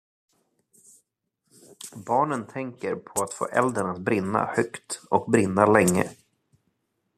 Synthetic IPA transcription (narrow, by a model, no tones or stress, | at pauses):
bɑːɳənt̪ʰɛŋkəɾpʰɔat̪fo̰ːʔɛ̰ld̪əɳat̪̚bɾɪnːa̰hœkt̪ɔk̚bɾɪnːalɛŋːə̰